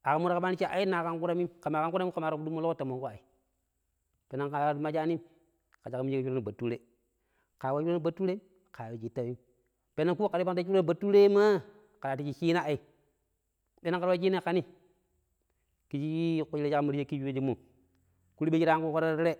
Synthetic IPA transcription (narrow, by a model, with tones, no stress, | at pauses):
a˨ka˨mu˦ɾa˦ka˦ɓa˦ni˦t͡ʃi˦˨a̰˨i˦na˨ka˦ŋku˦ɾa˦mi˦ka˨ma˨ka˦ŋku˦ɾa˦mi˦ka˨ma˨ɾo˨bdu˦mːo˦lo˦ko˦ta˨mo˨ko˦a˨i˨ | pe˨na˦ŋka˨˦ma˦d͡ʒa˦ni˦ | ka˨d͡ʒa˨kmi˦i˦u˦ɾa˦ni˨ba˨tːu˦ɾe˦ | ka˨wa˦t͡ʃu˦ɾa˦i˦ba˨˦tːu˦ɾe˦ | ka˨e˨d͡ʒi˨tːa˦˨mi˦m | pe˨na˦nku˦ka˨ɾi˦a˦ŋ˦ta˦t͡ʃu˦ɾa˦˨ba˨tːu˦ɾe˦ma˦ | ka˨la˨ti˨˦t͡ʃi˦˨t͡ʃi˦a˦a˨i˦ | de˦a˦ŋka˦ɾa˦d͡ʒi˦ne˦ka˦ni˦ | ki˨˦t͡ʃi˦i˦ku˨˦i˦e˦a˦mi˦ɾe˦ki˦d͡ʒu˦e˦d͡ʒi˦mːu˨ | ku˦ɾi˦e˦t͡ʃi˦ɾa˦a˦ŋku˦ko˦ɾa˦ɾɾe˦